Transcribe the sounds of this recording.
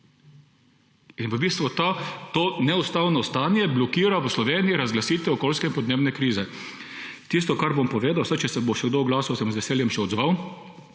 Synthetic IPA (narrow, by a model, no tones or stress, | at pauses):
inʋəbiːst̪ʋut̪at̪onɛust̪aːwnɔst̪aːnjɛblɔkiːɾaʋəslɔʋeːniiɾazɡlasiːt̪ʋɛɔkolskɛinpɔd̪neːbnɛkɾiːzɛ | t̪ist̪ɔkaɾbompɔʋeːd̪awsat͡ʃɛsɛboʃɛɡd̪oɡlaːsɔwsɛmzʋɛseːljɛmʃɛɔd̪zʋaw